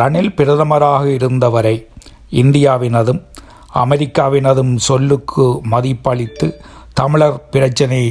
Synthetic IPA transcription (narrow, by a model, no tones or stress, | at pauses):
ɾɐɳɪlpɪɾɐðɐmɐɾaːɣɐɪɾɯnd̪ɐʋɐɾɐɪ | ɪnd̪ɪjaːʋɪnɐðɯm | ɐ̰mɛɾɪkːaːʋɪnɐðɯmsɔlːɯkʰːɯmɐðɪpːɐɭɪt̪ːɯ | t̪ɐmɪɭɐɾpɪɾɐt͡ʃːɐnɐɪ